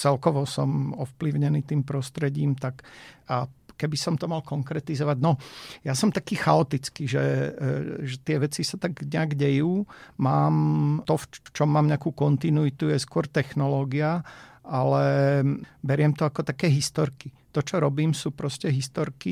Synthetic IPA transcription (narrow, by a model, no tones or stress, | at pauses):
t͡sɛlkɔʋɔsɔmɔfpliʊɲɛniːt̪iːmpɾɔst̪ɾɛɟiːmt̪akakɛbisɔmt̪ɔmalkɔŋkɾɛt̪izɔʋaɟnɔjasɔmt̪akiːxaɔt̪it͡skiːʒɛ | ʒɛt̪ɪɛʋɛt͡sisat̪aɡɲɛaɡɟɛjuːmaːmt̪ɔft͡ʃɔmːaːmɲɛakuːkɔnt̪inuit̪ujɛskʊɔɾt̪ɛxnɔlɔːɡiaʔalɛ | bɛɾɪɛmt̪ɔakɔt̪akɛːɦist̪ɔɾkit̪ɔt͡ʃɔɾɔbiːmsuːpɾɔscɛɦist̪ɔɾki